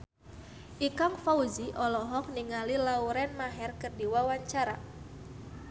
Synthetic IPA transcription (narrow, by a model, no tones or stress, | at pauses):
ʔikaŋfauziʔɔlɔɦɔk̚niŋalilauɾɛnmaɦɛrkərdiwawaɲt͡ʃaɾa